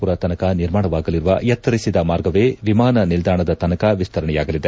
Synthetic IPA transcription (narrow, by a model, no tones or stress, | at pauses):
puɾɐt̪ɐnɐkɐniɾmaːɳɐʋaːɡɐliɾuʋɐjɐt̪ːɐɾisid̪ɐmaːɾɡɐʋeːʋimaːnɐnild̪aːɳɐd̪ɐt̪ɐnɐkɐʋist̪ʰɐɾɐɳɛjaːɡɐlid̪e